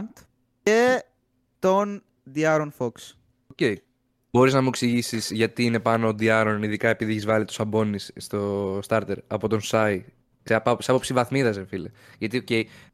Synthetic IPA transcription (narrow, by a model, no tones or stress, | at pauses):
nt̪ | e | t̪o̞n | d̪iɐɾonfoks | oce̞j | b̥o̞ɾiznɐmueksiʝisisʝɐt̪iine̞pɐnoːd̪iɐɾoniðikɐe̞piðieçizvɐlit̪u̥sɐbo̞nisːt̪o̞st̪ɐɾt̪e̞ɾɐpo̞t̪o̞nsɐi | seɐpɐseapo̞psivɐθmiðɐs̬efile | ʝɐt̪ioce̞j